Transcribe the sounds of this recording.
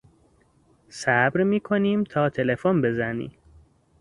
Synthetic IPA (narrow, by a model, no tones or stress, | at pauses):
sæbɾmiːkʰoniːmt̪ʰɒːt̪ʰe̞lefonbe̞zænḭː